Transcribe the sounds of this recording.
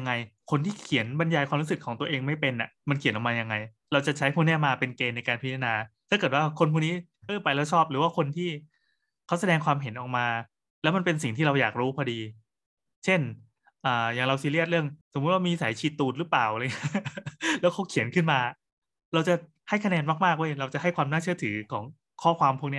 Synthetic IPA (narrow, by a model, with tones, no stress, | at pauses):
ŋːa˧jkʰo˧nt̪ʰiː˥˩kʰi˨˩˦nba˧njaː˧jkʰwaː˧mlu˦˥sɯ˨˩kʰːɔː˩˦ŋt̪u˧əʔeː˧ŋma˥˩jpe˧nʔa˨˩ma˧nkʰi˨˩˦nʔɔː˨˩maː˧ja˧ŋːa˧j | ɾa˧wt͡ɕa˨˩t͡ɕʰa˦˥jpʰuː˥˩nɛː˥˩maː˧pe˧nkeː˧nːa˧jkaː˧npʰi˦˥t̪ʰːnaː˧t̪ʰaː˥˩kɤː˨˩t̪waː˥˩kʰo˧npʰuː˥˩niː˦˥ | ʔɤː˧˩pa˧jlɛː˦˥wt͡ɕʰɔː˥˩p̚ɾɯː˩˦waː˥˩kʰo˧nt̪ʰiː˥˩ | kʰa˦˥wsa˧dɛː˧ŋkʰwaː˧mɦe˨˩˦nʔɔː˨˩k̚maː˧ | lɛː˦˥wma˧npe˧ns̬i˨˩ŋt̪ʰiː˥ɾa˧wjaː˨˩k̚ɾuː˦˥pʰɔː˧diː˧ | t͡ɕʰe˥˩n | ʔaː˨˩jaː˨˩ŋɾa˧wsiː˧˦li˥˩ət̪̚ɾɯ˥˩əŋso˨˩˦mu˦˥t̪̚waː˥˩miː˧saː˨˩˦jt͡ɕʰiː˨˩t̪ːuː˨˩t̪̚ɾɯ˦˥plaː˨˩wɾaː˧ŋi˥lɛː˦˥wkʰa˦˥wkʰi˨˩˦ənkʰɯ˥˩nmaː˧ | ɾa˧wt͡ɕa˨˩ | ha˥˩jkʰa˧nɛː˧nma˥˩k̚maː˥˩k̚ʔu˧˥˩ə˨jɾa˧wt͡ɕa˨˩hɦa˥˩jkwaː˧mnaː˥˩t͡ɕʰɯ˥˩ət̪ʰɯː˩˦kʰɔː˩˦ŋ | kʰɔː˥˩kʰwaː˧mpʰu˥˩k̚ni˥ɐ